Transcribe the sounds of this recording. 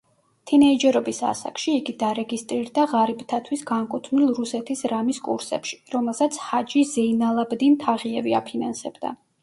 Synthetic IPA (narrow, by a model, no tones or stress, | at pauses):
t̪ʰinɛid͡ʒɛɾɔbisa̰sa̰kʃiːɡid̪aɾɛɡist̪ʼɾiɾd̪aʁaɾibt̪ʰat̪ʰwisɡaŋkʼut̪ʰnilˠɾusɛt̪ʰisɾamiskʼṵɾsɛ̰pʃi̥ɾɔmɛlˠsat̪sʰhad͡ʒizɛinalˠabd̪int̪ʰaʁiɛvia̰pʰinansɛbd̪a̰